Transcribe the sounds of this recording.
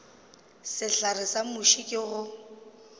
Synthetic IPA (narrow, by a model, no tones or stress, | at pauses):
sɪɬarɪsamʊʃikʼɪɣʊ